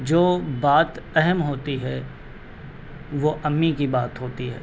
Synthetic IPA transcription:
d͡ʒoːbaːt̪ɛɦɛmɦoːt̪iɦɛ | ʋoʔɐmːikibaːt̪ɦoːt̪iɦɛ̰ː

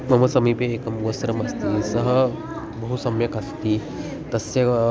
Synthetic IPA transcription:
mɐmɐsɐmipeːkəmuʋəsɾɐmɐst̪isəɦə | bɐɦusɐmjəkast̪i | t̪ɐsje

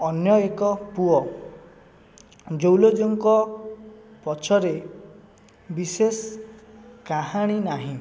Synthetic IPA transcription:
ɔnjɔekɔpuɔ | d͡ʒowlod͡ʒoŋkɔ | pɔt͡ʃʰɔɾe | bises | kaɦaɽ̃inaɦĩ

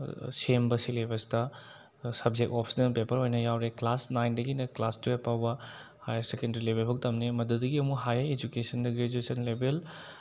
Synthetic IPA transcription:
sembɐsilebɐstɐ | sɐb̚d͡ʒek̚tɔpʰi̥snɐpepʰɐɾojnɐjawɾeklasnajndɐɡinɐklastuepawbɐ | hajɐɾsekendɾilebelbʰʱɐk̚tɐmnemɐdudɐɡiɐmuɦajaɾed͡ʒukesɐndɐɡɾed͡ʒuesɐnlebel

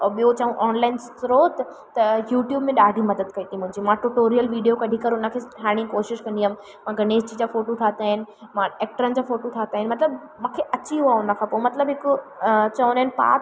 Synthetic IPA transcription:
ɔɓijot͡ɕɐʋũʔɔːnlaːɪnst̪ɾoːt̪ | t̪ɐjuːʈjuːbmẽɗaːɖʱimɐd̪əd̪kɐit̪ʰĩmʊ̃ɦɪ̃ɲd͡ʑimãʈuʈoːɾijəlʋiːɖijokɐɖʱikɐɾʊnə̆kʰeːsʈʰaːɽ̃ĩkoːʃɪʃkɐ̃nd̪im | mãɡʱɐneːd͡ʑd͡ʑid͡ʑaːfoːʈot̪ʰaːt̪aːɦɪnɪ̆ | mãeːk̚ʈəɾənɪ̆d͡ʑaːfoːʈot̪ʰaːt̪aːɦɪnɪmɐt̪ləb | mãːkʰeʔɐt͡ɕiɦuaʊnə̆kʰãpomɐt̪ləbɦɪkt͡ɕɐonaɦɪnɪpa̰ːt̪

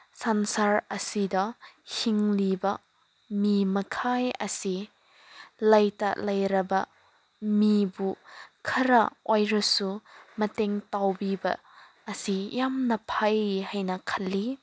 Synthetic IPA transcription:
sansaɾɐsidɐhiŋlibɐ | mimɐkʰajɐsi | lɐjta̰lɐjɾɐbɐ | mibukʰɐɾɐʔojɾɐsumɐteŋtawbibɐ̰ː | sijamnɐpʰajhajnɐkʰɐlːi

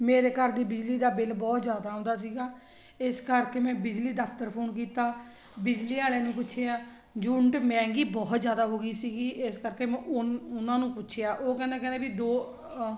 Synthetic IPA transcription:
meːɾeːkəɾd̪iːbɪd͡ʒliːd̪aːbɪlbɔːt̪zjaːd̪aːɦõnd̪aːsiːɡaː | ɪskəɾkeːmɛ̃ːbɪd͡ʒliːd̪əpʰt̪əɾpʰoːnk̬iːt̪aː | bɪd͡ʒliːaːleːnũːpʊːt͡ʃʰeːaː | d͡ʒʊɳʈmɛ̃ːŋɡiːbɔːt̪zjaːd̪aːɦoːɡiːsiːɡiːʔɪskəɾkeːmɛ̃ːʔʊʊnãːnũːpʊtːʃʰjaːʔoːkɛ̃ːnd̪aːkɛ̃nd̪eːbid̪oː

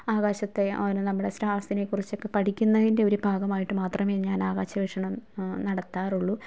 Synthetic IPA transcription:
aːɣaːɕɐt̪ːe̞onɨnɐmːuɽe̞sɾaːsine̞kːurit͡ɕːo̞kːe̞pɐʈʰikʲːunːɐðinde̞o̞ɾubʱaːɡɐmaːjiʈːɨmaːt̪rɐmeɲaːnaːɣaːɕɐʋeʂɐɳɐmnɐɽɐt̪ːaːruɭːu

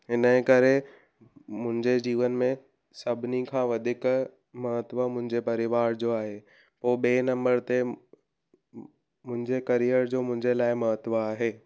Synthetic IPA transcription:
ɦɪnəkɐɾe | mʊ̃ɦɪ̃ɲd͡ʑed͡ʑiːʋənmẽ | sɐbʱɪnikʰãːʋɐd̪ʱɪk | mɐɦət̪ʋəmʊ̃ɦɪ̃ɲd͡ʑepɐɾɪʋaːɾd͡ʑoːaːɦe | poːɓeːnɐ̃mbəɾt̪e | mʊ̃ɦɪ̃ɲd͡ʑekɐɾijəɾd͡ʑoːmʊ̃ɦɪ̃ɲd͡ʑelaːɪmɐɦət̪ʋaaːɦeː

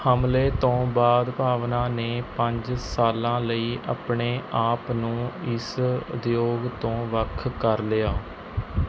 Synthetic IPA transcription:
həmleːt̪õːbaːd̪paːʋnãːneːpəɲd͡ʒsaːlãːləiːʔa̰ːpɳeːʔaːpnũːɪsd̪joːɡt̪õːʋəkʰkəɾlɪaː

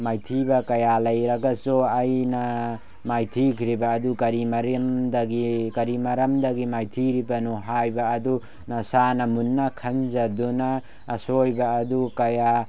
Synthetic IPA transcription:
majt̪ʰibɐkɐjalɐjɾɐɡɐsuɐjnɐ | majt̪ʰikʰɾibɐːd̪ukɐɾimɐɾimd̪ɐɡikɐɾimɐɾɐmd̪ɐɡimajtʰiɾibɐnuɦajbɐːdu | nɐsanɐmunːɐkʰɐnzɐdunɐː | sojbaːdukɐja

